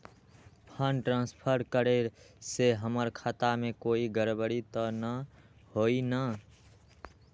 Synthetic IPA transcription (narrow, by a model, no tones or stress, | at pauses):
pʰənʈɾãnspʰəɾkəɾe | seɦəməɾkʰat̪amẽkoiɡəɾbəɽit̪ənəhoinə